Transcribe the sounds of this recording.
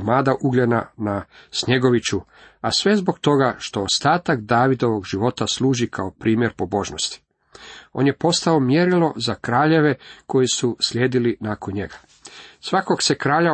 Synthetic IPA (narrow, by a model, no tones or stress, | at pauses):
maːd̪aʔuɡlʎenanasɲe̞ɡo̞ʋit͡ɕu | asʋe̞zbo̞ɡt̪o̞ɡaʃt̪o̞ost̪aːt̪akd̪aːʋid̪o̞ʋo̞ɡʒiʋo̞t̪asluːʒikʰaopɾʔiːmje̞ɾpo̞bo̞ʒnost̪i̥ | o̞̰ːnje̞po̞st̪ao̞mjeɾilo̞zakɾaːʎe̞ʋe̞ko̞jisusʎʲjeːd̪ilinako̞nɲe̞ɡa | sʋako̞ɡse̞kɾaːʎa